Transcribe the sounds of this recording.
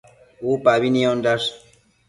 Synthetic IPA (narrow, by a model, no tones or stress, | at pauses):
upaβiniondas